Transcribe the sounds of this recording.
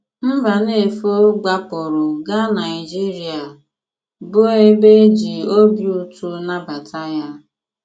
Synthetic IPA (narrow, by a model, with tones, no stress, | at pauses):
m̩˦va˨ne˦˨fo˦ɡ͡ba˦pʊ˨ɾʊ˨ɡa˦na˨ɪ˨d͡ʒi˦ɾi˨a˨ | bʊ˦e˦be˦d͡ʒi˨o˦bi˦˨˦u˦tu˦na˦ba˨ta˦ja˦